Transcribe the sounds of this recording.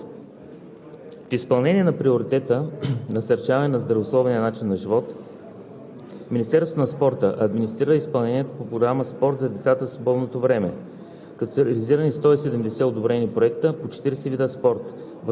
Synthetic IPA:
fispɐlˠnɛniɛnɐpɾioɾit̪ɛt̪ənɐsɐɾt͡ʃavɐnɛnɐzd̪ɾɐvoslˠɔvniənat͡ʃinːɐʒivɔt̪ | minist̪ɛɾsot̪onɐspɔɾt̪əʔɐd̪minʲist̪ɾiɾəispɐlˠnɛniɛt̪opopɾoɡɾaməspɔɾt̪zɐd̪ɛt̪sat̪əfslˠobɔd̪not̪ovɾɛmɛ | kɐt̪ɔ̥səɾɛliziɾənist̪ɔisɛd̪ɛmd̪ɛsɛod̪obɾɛnipɾoɛkt̪əpot͡ʃɛ̥t̪iɾɛsɛvid̪əspɔɾt̪ | v

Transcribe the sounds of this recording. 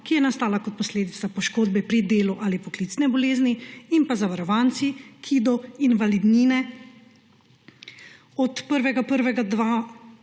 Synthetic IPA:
kijɛnast̪aːlakɔt̪̚pɔsleːd̪it̪sapɔʃkoːd̪bɛpɾid̪eːluʔaːlipɔklit̪snɛbɔleːzniinpazaʋaɾɔʋaːnt̪sikʰid̪ɔinʋalid̪niːnɛ | ɔt̪pəɾʋɛɡapəɾʋɛɡad̪ʋaː

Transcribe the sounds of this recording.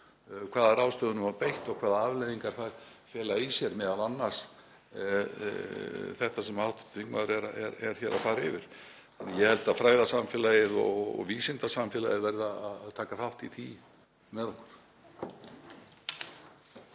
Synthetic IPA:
kʰv̥aːðaɾawst̪œːðʏnʏmapejht̪ɔɣkʰvaːðaavlejðiŋkaɾ̥θajɾfjɛːlaisjɛɾmɛːðalanːḁs | θɛht̪asɛmawht̪t̪ʰiŋkmaðʏɾɛɾaɛɾɛɾ̥çɛɾa̰ðfaːɾaɪvɪɾ̥ | anjɛhɛlt̪aðfɾaːjðasamfɛːlajɪðɔ̰ɣɔ̰ɣviːsɪnt̪asamfɛːla̰jɪðvɛɾðaaððt̪ʰaːkaθawht̪iθi | mɛðɔhkʏ̥ɾ̥

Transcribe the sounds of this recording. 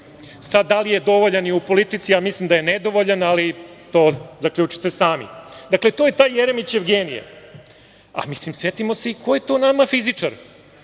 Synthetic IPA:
sad̪ːalijed̪o̞ʋoʎaniupo̞lit̪it̪sijamislˠimd̪aje̞ned̪o̞ʋoʎanalit̪o̞ːzakʎuːt͡ʃi̥t̪esaːmḭd̪akle̞t̪o̞ːjet̪aːjjeɾemit͡ɕeʋɡenijḛ | a̰mislimse̞t̪imo̞se̞ikʰojet̪o̞namafizit͡ʂaɾ

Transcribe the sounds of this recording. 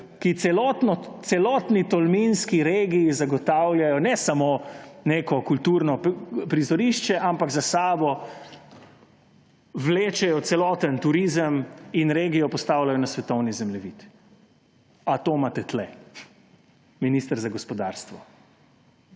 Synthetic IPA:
kit̪sɛlɔt̪nɔt̪sɛlɔːt̪nit̪ɔlminskiɾeːɡijizaɡɔt̪awlʲjajɔnɛsamoːneːkɔkult̪uːɾnɔpɾizɔɾiʃt͡ʃɛʔampaɡzasaːbɔ | wleːt͡ʃɛjɔt̪sɛlɔːt̪ənt̪uɾizəminɾeːɡijɔpɔst̪awlajɔnasʋɛt̪ɔwnizɛmlɛʋit̪ | at̪omat̪ɛt̪lɛ | minist̪əɾzaɡɔspɔd̪a̰ːɾst̪ʋɔ

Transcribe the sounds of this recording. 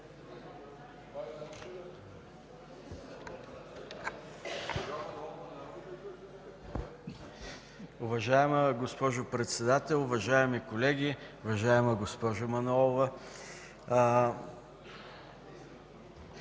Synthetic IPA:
ʊvɐʒaɛməɡospɔʒʊpɾɛt̪sɛd̪at̪ɛlˠʊvɐʒaɛmikolɛɡʲiʊvɐʒaɛməɡospɔʒʊmɐnɔlˠʊvə

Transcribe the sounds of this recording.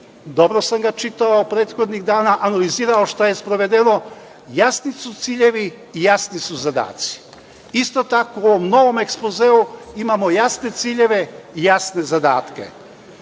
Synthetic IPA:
d̪o̞bɾosamɡat͡ʃit̪aupɾeːt̪xo̞d̪niɣd̪aːnaʔanaliziːɾaoʃt̪aje̞spɾoʋe̞d̪eno̞ | jasnisut̪siːʎe̞ʋiː | jasnisuzad̪a̰ːt̪si̥ | ist̪o̞t̪akooʋomno̞ʋo̞mekspozeːuimamo̞jasne̞t̪siʎe̞ʋe̞ijasne̞zad̪a̰ːt̪kḛ

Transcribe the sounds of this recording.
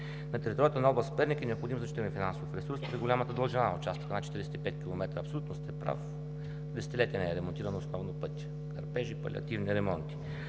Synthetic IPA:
nɐt̪ɛɾit̪ɔɾjət̪ənɐɔblˠəspɛɾnikinɛopxod̪imozɐt͡ʃit̪nɛfinansofɾɛsuɾspɾiɡolʲamət̪əd̪ɐlˠʒɛnaʊt͡ʃast̪o̥knat̪t͡ʃɛ̥t̪iɾisɛt̪ipɛt̪ʲkʲilˠomɛt̪ɾəːpsolʲut̪nost̪ɛpɾa̰f | d̪ɛsɛ̥t̪ilɛt̪ʲiənɛɛɾɛmont̪iɾənosnɔvnopɤt̪ʲi̥ | kɐ̰ɾpɛʒipɐ̰lḭɐ̰t̪ivniɾɛmɔnt̪i̥

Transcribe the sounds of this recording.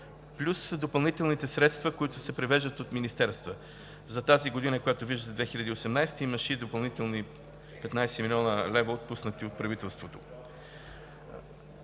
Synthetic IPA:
plʲusd̪opɐlˠnit̪ɛlˠnit̪ɛsɾɛt̪st̪vəkoit̪ʊsɛpɾɛvɛʒd̪ət̪ot̪minist̪ɛɾst̪və | zɐt̪aziɡod̪inəkojat̪oviʒd̪ət̪ɛd̪vɛxilʲəd̪iːosɛmnajst̪əiməʃɛd̪opɐlˠnit̪ɛlˠni | pɛt̪najsɛmilʲiɔnəlɛvɐot̪̚pusnət̪iot̪̚pɾɐvit̪ɛlˠst̪vot̪o

